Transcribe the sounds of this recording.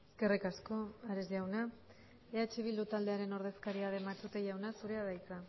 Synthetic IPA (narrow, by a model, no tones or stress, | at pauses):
eske̞rikasko̞aɾezʝiawna | eat͡ʃiβild̪ut̪ald̪e̞aɾe̞no̞ɾð̞e̞skaɾiaɾemat͡s̪ut̪eʝawnasuɾe̞aðajt͡sa